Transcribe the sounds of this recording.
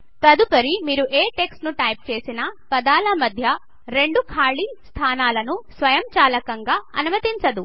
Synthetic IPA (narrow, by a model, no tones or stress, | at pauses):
t̪ɐd̪upɐɾimiːɾuʔeːʈe̞ksʈnuʈɐjp̚t͡ʃe̞ːsinɐpɐd̪aːlɐmɐd̪ʱjɐ | ɾe̞ɳɖukʰaːɭist̪ʰaːnaːlɐnusʋɐjɐmt͡ʃaːlɐkɐŋɡaːɐnumɐt̪iɲt͡ʃɐd̪u